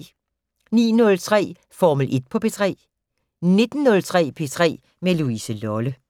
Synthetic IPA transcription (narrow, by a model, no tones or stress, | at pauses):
nḭːnɔ̽lt͡sʰʁɛ̰ː | fɒːməlʔe̝d̥̚pʰɒ̽pʰe̝ːt͡sʰʁɛ̰ː | ne̝d̥n̩ːɔ̽lt͡sʰʁɛ̰ːpʰe̝t͡sʰʁɛ̰ː | meluisəlɒlə